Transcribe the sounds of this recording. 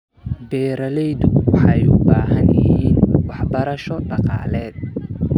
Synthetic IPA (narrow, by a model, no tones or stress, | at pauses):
bɛːɾɐlɛjd̪ʊwɑħɑjʊbaːɦɐnjɪhhiːnwɑħbɐɾɐʃɔɖɑqɑ̰ːlɛːd̪̚